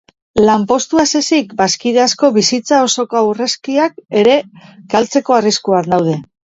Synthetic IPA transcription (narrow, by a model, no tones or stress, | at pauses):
lampo̞st̪uase̞sikbaskiðeasko̞βisit͡sao̞so̞koawre̞skiak̚e̞ɾe̞ɡalt͡se̞ko̞ariskuaɾnd̪awð̞e̞